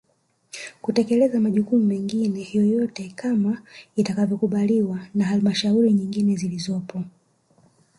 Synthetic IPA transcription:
kutɛkɛlɛzamaʄukumumɛŋɡinɛhjɔjɔtɛkamaitakavjɔkuɓaliwanaɦalimaʃauɾiɲiŋɡinɛzilizɔpʰɔ

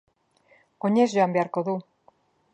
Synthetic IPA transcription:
o̞ɲe̞zʝo̞ambe̞aɾko̞ðu

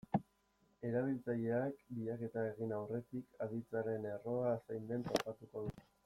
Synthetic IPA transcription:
e̞ɾaβ̞ilt͡saʎe̞ak̚biʎake̞t̪ae̞ɣinawre̞t̪ikʰað̞it͡saɾe̞ne̞ro̞asajnd̪e̞nt̪o̞pat̪uko̞ðut̪e̥

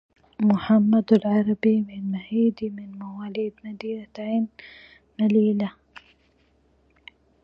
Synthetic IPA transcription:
mʊħamːad̪alʕaɾabimɪnmahiːd̪imɪnmawaːlid̪nad̪iːɾat̪aʕinː | aliːla

